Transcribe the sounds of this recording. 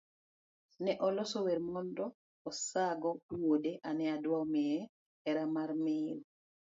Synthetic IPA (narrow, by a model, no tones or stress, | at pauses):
nɛʔɔlosoweɾmɔndɔː | saɡɔtuwodeʔanɛadwaɔmɛɛ | ɛɾamaɾmɪl